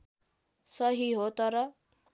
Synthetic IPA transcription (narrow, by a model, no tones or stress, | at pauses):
sʌɦiɦot̪ʌɾʌ